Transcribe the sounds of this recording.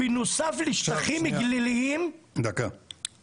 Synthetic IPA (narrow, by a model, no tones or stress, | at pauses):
inosafliʃtaχimiɡliliimd̪aka